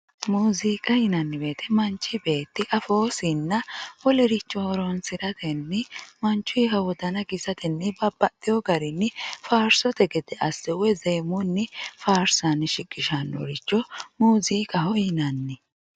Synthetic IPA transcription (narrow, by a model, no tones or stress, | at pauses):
muːziːkʼɐjɪnɐnːɪbe̞ːt̪ʰɛmɐnt͡ʃːɪbe̞ːt̪ːɪʔɐfoːsɪnːɐwɔlɛɾɪt͡ʃːɔhɔɾɔnsɪɾɐt̪ʰɛnːɛmɐnt͡ʃːʊjɦɐwɔd̪ɐnɐɡɪzɐt̪ɛnːɛbɐbːɐt̪ʼːɪjɔɡɐɾɪnːɪfaːɾsɔt̪ɛɡɛd̪ɛʔɐsːɛwɛzɛjmʊnːɪfaːɾsɐnʃɪɡʼɪʃɐnːɔ̰ɾɪt͡ʃːɔmuːziːkʼɐhɔjɪnɐnːɪ